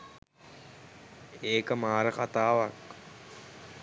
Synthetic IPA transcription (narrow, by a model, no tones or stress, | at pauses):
eːkəmaːɾəkat̪aːʋak